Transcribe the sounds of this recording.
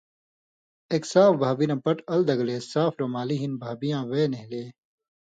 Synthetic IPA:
eːksaːfbʱaːbinãːpɐʈɐld̪ɐɡleːsaːfɾomaːliɦinbʱaːbijãːweːneɦileː

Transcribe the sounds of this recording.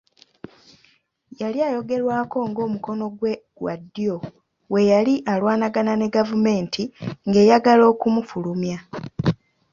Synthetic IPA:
jaljaːjo̞ɡe̞ɾwaːko̞ŋɡo̞ːmuko̞no̞ɡweɡwa̰dːjo̞ | we̞jaliʔalwaːnaɡanane̞ɡavume̞ːntʰiŋɡe̞ːjaɡalo̞ːkumufulumja

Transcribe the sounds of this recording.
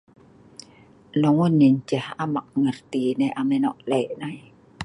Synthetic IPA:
lɔŋunːint͡ʃɛhamak̚ŋart̪inajʔamɛnɔ̰ʔlɛʔnaj

